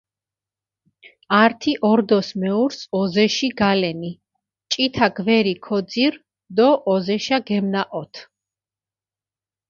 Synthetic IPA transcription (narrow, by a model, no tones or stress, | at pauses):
aɾt̪ʰiʔɔɾd̪ɔsmɛuɾsɔzɛʃiɡalɛni | t͡ʃʼit̪ʰaɡvɛɾikʰɔd̪ziɾ | d̪ɔʔːzɛʃaɡɛmnaʔɔt̪ʰ